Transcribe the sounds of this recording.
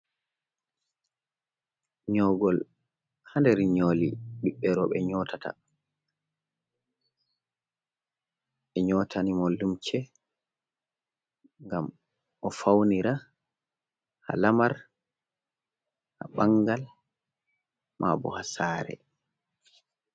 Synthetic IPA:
ɲɔɡɔl | handɛɾiɲoːliɗiɓːɛɾɔɓɛɲɔːtʰata̰ | ʔɛɲɔtʰanimɔlumt͡ʃɛ | ŋɡam | ʔɔfawniɾa | ha̰lamaɾ | haɓaŋɡal | mʔabɔ̰hasaːɾɛ̰

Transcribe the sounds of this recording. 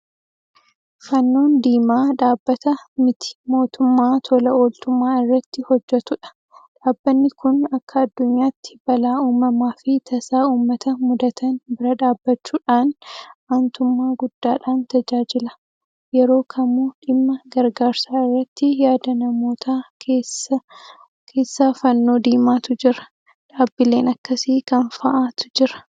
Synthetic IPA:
fɐnːoːnd̪iːmaːᶑaːbːɐt̪ɐmɪt̪ɪ̥mo̞ːt̪ʊmːaːt̪ʰɔlɐoːlt̪ʊmːaːɪrːɐt̪ːɪhɔd͡ʒːɛt̪ʊᶑɐ̥ | ᶑaːbːɐnːɪkʊnɐkʰːɐɐd̪ːʊɲjaːt̪ːɪ̥bɐlaːuːmɐmaːfɪt̪ʰɐsaːuːmːɐt̪ɐmʊd̪ɐt̪ʰɐnbɪɾɐᶑaːbːɐt͡ʃːuːᶑaːnaːnt̪ʊmːaːɡʊd̪ːaːᶑaːnt̪ɐd͡ʒaːd͡ʒɪlɐ | jɛɾo̞ːkʰɐmuːᶑɪmːɐɡɐɾɡaːɾsaːɪrːɐt̪ːɪjaːd̪ɐnɐmo̞ːt̪ʰaːeːsɐ | kʰe̞ːsːaːfɐnːo̞ːd̪iːmaːt̪ʊd͡ʒɪɾɐ̥ | ᶑaːbːɪle̞ːnɐkːɐsɪkɐnfɐʔaːt̪ʊ̥d͡ʒɪɾɐ̥

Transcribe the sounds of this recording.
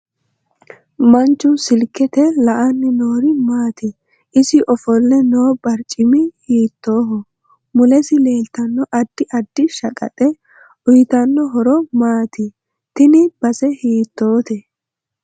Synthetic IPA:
mɐnt͡ʃːʊsɪlkːɛt̪ɛlɐʔɐnːɪnoːɾɪmaːt̪ɪ | ʔɪsɪʔɔfɔlːɛno̞ːbɐɾt͡ʃʼːɪmɪhiːt̪ːoːɦɔ | mʊlɛsɪle̞ːlt̪ɐnːɔʔɐd̪ːɪʔɐd̪ːɪʃɐkʼɐ̰t̪ʼɛ | ʊjɪt̪ɐnːɔɦɔɾɔmaːt̪ɪ | t̪ɪnɪb̥ɐsɛhiːt̪ːo̞ːt̪ɛ

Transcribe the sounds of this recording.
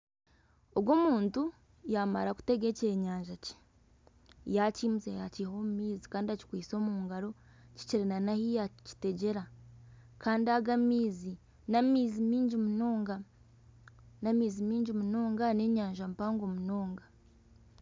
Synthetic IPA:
obɡo̞muːntu | jama̰ɾaku̥te̞ɡe̞ceɲaːɲʒace̥ | jaciːmuzejaciho̞ːmumiːzikaːndiaci̥kwiːso̞ːmuːŋɡaɾo̞ | ci̥ciɾinanahijaci̥te̞ɟe̞ɾa | kaːndiaɡamiːzi | namiːzimiːɲɟimunoːŋɡa | namiːzimiːɲɟimunoːŋɡane̞ɲaːɲʒampaːŋɡo̞muno̞ːŋɡa

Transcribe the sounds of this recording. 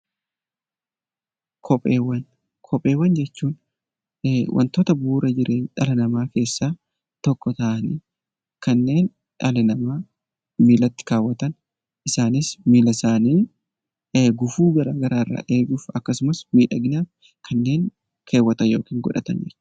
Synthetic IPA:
kʰɔpʼeːwɐn | kʰɔpʼe̞ːwːɐnd͡ʒɛt͡ʃːuːn | wʔɐ̰nt̪oːt̪ɐbuːɾʔɐd͡ʒɪɾe̞ːnᶑɐlɐnɐmaːke̞ːsːaː | t̪ɔkːɔt̪ɐʔɐniː | kɐnːe̞ːn | ᶑɐlɐnɐmaː | miːlɐt̪ːɪ̥kaːwːɐt̪ɐn | ʔɪsaːnɪsmiːlɐsaːniː | ɡʊfuːɡɐɾaːɡɐɾaːrːa̰ːʔe̞ːɡʊːfɐkːɐsʊmɐsmiːᶑɐɡɪnaːf | kʰɐnːe̞ːŋ | kʰe̞ːwːɐt̪ɐnjo̞ːkiːŋɡɔ̰ᶑɐ̰t̪ɐ̰nd͡ʒɛ̰ɾ

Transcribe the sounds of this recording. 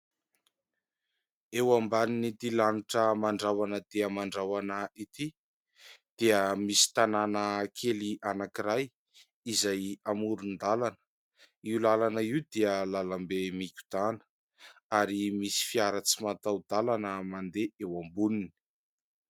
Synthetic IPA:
ewambaninit̪ilaniʈ͡ʂəmaɳɖ͡ʐawanəd̪̥eəmaɳɖ͡ʐawanəit̪i | d̪̥eəmisi̥t̪ananəkʰeliʔanakiɾaj | izajamuɾund̪alanə̥ | iwlalanəiwd̪eəlalambemikʲu̥d̪̥anə̥ | aɾimisi̥fiaɾət͡simat̪awd̪̥alanəmand̪eewambunini̥

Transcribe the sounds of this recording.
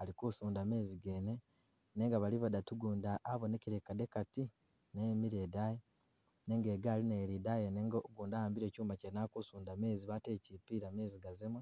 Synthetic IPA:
alikusuːndame̞ːziɡe̞ːne | neːŋɡaβaliβadatuɡuːndaʔːβoneciɾekadekati | nemiɾeːdaje | ne̞ːŋɡeɡaːlineɾidajeneːŋɡoɡuːndahaːmbiɾe̞ːcuːmacenakusuːndame̞ːziβatecipiɾame̞ːziɡazeme

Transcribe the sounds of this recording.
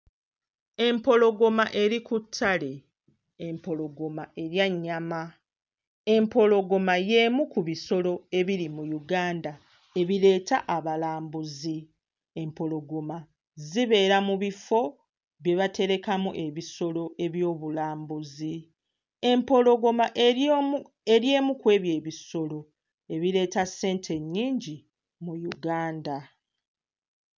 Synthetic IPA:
e̞mpo̞lo̞ɡo̞maʔe̞ɾikutʰːale̞ː | mpo̞lo̞ɡo̞maʔe̞ɾjaɲːama | e̞mpo̞lo̞ɡo̞maje̞ːmukuβiso̞lo̞e̞βiɾimujuɡaːnda | e̞βile̞ːtaʔaβalaːmbuzi | e̞mpo̞lo̞ɡo̞ma | ziβe̞ːɾamuβifo̞ | βje̞βate̞ɾe̞kamuʔe̞βiso̞lo̞ʔe̞βjo̞ːβulaːmbuzi | e̞mpo̞lo̞ɡo̞maʔ | eɾjeːmukwe̞ːβje̞ːβiso̞lo̞ | e̞βiɾe̞ːtase̞ːntʰe̞ɲːiːɲɟi | mujuɡaːnda

